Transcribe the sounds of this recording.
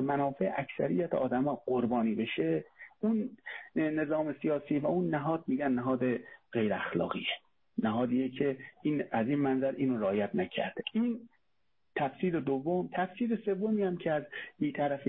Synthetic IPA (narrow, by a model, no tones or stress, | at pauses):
mænɒːfe̞ʔæcsæ̰ɾijæt̪ʰeʔɒ̰ːd̪æmɒːɡoɾbɒːniːbe̞ʃeunː | e̞zɒːme̞sijɒːsiːvæunːæɦɒːd̪̚miːɟænːæɦɒːd̪eɣejɾeæxlɒ̰ːɣiːe | næɦɒːd̪iːekʰe̞iːnæziːnmænzæɾʔiːnoɾeɒːjæt̪̚ʰnæcʰæ̰ɾd̪̥eʔiːn | t̪ʰæfsiːɾed̪ovːomt̪ʰæfsiːɾese̞vːomiːæmcʰeæzbiːt̪ʰæɾæfi